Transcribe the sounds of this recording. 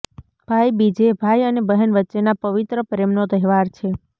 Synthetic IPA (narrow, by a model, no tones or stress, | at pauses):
b̥ʱajbid͡ʒebʱajənebəɦənʋətːʃenapəʋit̪ɾəpɾemnot̪əɦɛʋaɾt͡ʃʰe